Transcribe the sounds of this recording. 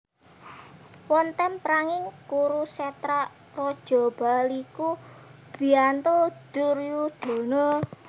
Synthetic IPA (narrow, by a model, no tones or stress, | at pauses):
wɔnt̪ɛmpɾaŋɪŋkuɾusɛt̪ɾa | rɔd̥ʒ̥ɔ̤b̥alikub̥i̤ant̪od̪̥ʊrjud̪̥o̤nɔ